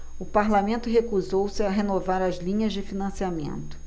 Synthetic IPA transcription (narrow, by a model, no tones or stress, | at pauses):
ʊpaɾlamẽnt̪ʊɦekuzowsɪaɦenovaɾɐzlĩɲɐzd͡ʒɪfinɐ̃siamḛ̃nt̪ʊ̥